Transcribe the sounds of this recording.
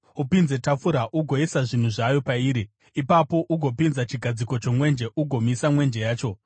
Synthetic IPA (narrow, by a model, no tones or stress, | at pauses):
upinze̞tafuɾaʔuɡʱo̞isaʐin̤uʐajo̞paiːɾi | ipapo̞ʔuɡʱo̞pinzat͡ʃiɡʱad͡ziko̞t͡ʃo̞mwe̞nd͡ʒe̞ʔuɡʱo̞misamwe̞nd͡ʒe̞jaːt͡ʃo̞